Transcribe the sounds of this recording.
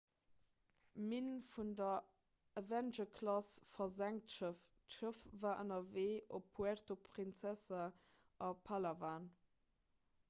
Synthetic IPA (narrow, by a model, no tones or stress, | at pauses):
minfundɐ | əvænʒəkʰlɑsfɐzæŋtʃəftʃəfvaːʔənɐveːʔopʰːuɛrtopʰʁint͡sæsə | ʔɑpʰalɐvaːn